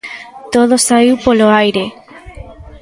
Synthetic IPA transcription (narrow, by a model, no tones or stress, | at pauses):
t̪oð̞osaiwpoloajɾe